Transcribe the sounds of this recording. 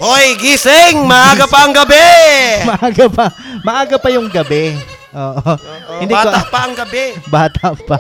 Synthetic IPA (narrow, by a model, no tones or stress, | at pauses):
ʔojɡisɪŋmɐʔaːɡɐpɐːŋɡɐbɛmɐʔaːɡɐpɐmɐʔaːɡɐpɐjʊŋɡɐbɛ | ʔoːʔohɪnd̪iakot̪pɐɐŋɡɐbɛbaːt̪ʰɐpɐ